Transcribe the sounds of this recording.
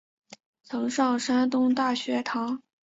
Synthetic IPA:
t͡sʰɤ˧˥ŋʂɑ˥˩ŋʂa˥nt̪ʊ˥ŋt̪a˥˩ɕɥɛ˧˥t̪ʰɑ˧˥ŋ

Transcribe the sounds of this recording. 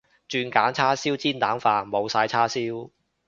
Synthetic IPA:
t͡ʃyː˧nkaː˨˥nt͡sʰaː˥siː˥wt͡siː˥nt̪aː˨˥nfaː˧nmo˨˧wsaː˧jt͡sʰaː˥siː˥w

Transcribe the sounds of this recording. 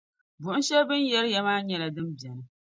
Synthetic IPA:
bʊ˨ʔ̩˦ʃɛ˦bɨ˦njɛ˦ɾjɛ˦maː˦ɲɛ˦la˨dɨ˦mbjɛ˨nɨ˦

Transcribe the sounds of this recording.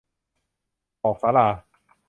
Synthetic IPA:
ʔɔː˨˩k̚saː˨˦˥laː˧˩

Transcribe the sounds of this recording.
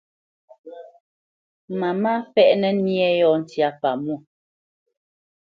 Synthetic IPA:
ma˨ma˦fɛ˦ʔnɛ˦ni˦ɛ˦jɔ˦˨n̩˨tja˨pa˨mu˦˨

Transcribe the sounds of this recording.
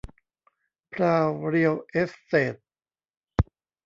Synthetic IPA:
pʰɾaː˧wɾi˧əwʔe˦˥fːeː˨˩t̪̚

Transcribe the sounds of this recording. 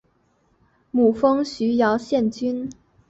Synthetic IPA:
mu˨˩fɤ˥ŋɕy˧˥jɑ˧˥ʊɕjɛ˥˩nt͡ɕy˥n

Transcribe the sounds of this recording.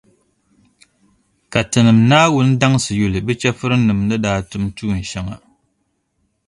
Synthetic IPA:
ka˨tɨ˨nɨ˨mnaː˦wʊ˦n̩˦da˦ŋ˦sɨ˨ju˨lɨ˨bɨ˦t͡ʃɛ˦fɨ˦ɾɨ˦nɨ˨mnɨ˦daː˦tʊ˦mtuː˦˨n̩˨ʃɛ˦ŋa̰˨

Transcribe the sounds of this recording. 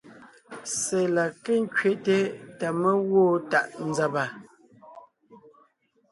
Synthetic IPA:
se˨la˨ke˦˨ŋ̩˦kɥe˨te˦ta˨mə˦ɣoː˦˨ta˨ʔn̩˦za˨ba˨

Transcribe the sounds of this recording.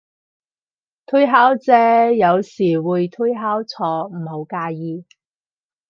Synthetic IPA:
t̪ʰu˥jɦaː˥wt͡sɛː˨˧jɐ˨˧wsiː˨˩wuː˨˧jt̪ʰu˥jɦaː˥wt͡sʰɔː˧m̩ː˨˩ho˨˧˥wkaː˧jiː˧

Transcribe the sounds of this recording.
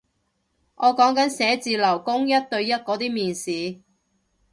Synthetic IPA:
ŋʔɔː˨˧kɔː˨˥ŋkɐ˨˥nsɛː˨˥t͡siː˧lɐ˨˩wkʊ˥ŋjɐ˥t̚t̪ɵ˧ɥjɐ˥t̚kɔː˨˥t̪iː˥miː˨nsiː˨˧

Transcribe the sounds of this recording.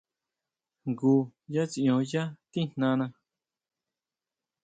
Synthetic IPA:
ŋɡu˧ja˦t͡si˧ʔõ˧ja˦t̪ĩ˦n̥nã˧nã˧

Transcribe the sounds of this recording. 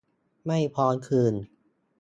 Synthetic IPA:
ma˥˩jpʰɔː˧˥nkʰɯː˧n

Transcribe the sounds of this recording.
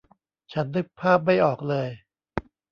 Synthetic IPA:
t͡ɕʰa˦˥nːɯ˦˥k̚pʰaː˥˩p̚ma˥˩jʔɔː˨˩k̚lɤː˧j

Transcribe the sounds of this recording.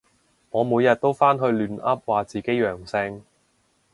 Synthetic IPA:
ŋɔː˨˧muː˨˧jɐ˨t̚t̪o˥wfaː˥nɦɵ˧ɥlyː˨˧nɐ˥p̚waː˨t͡siː˨ke˥jjœː˨˩ŋsɛ˧ŋ

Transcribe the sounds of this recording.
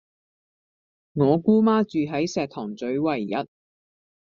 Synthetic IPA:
ŋɔː˨˧kuː˥maː˥t͡ʃyː˨ɦɐ˨˥jsɛː˨k̚t̪ʰɔː˨˩ŋt͡sɵ˨˥ɥwɐ˨˩jːɐ̰˨t̚

